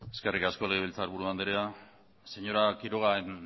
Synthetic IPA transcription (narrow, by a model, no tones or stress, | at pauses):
e̞ske̞rikasko̞leɣ̞eβilt͡saɾβuɾuand̪eɾea | se̞ɲo̞ɾakiɾoɣ̞aen